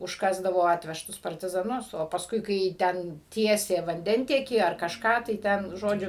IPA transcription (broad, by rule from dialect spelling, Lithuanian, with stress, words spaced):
ʊʃˈkɑːzdɐʋoː ˈɑːtʲʋʲɛʃtʊs pɐrʲtʲɪzɐˈnʊs oː pɐsˈkʊɪ kɐɪ ˈtʲɛn ˈtʲiɛsʲeː ʋɐnʲˈdʲɛnʲtʲiɛkʲiː ɐr kɐʃˈkɑː tɐɪ ˈtʲɛn ˈʒoːd͡ʒʲʊ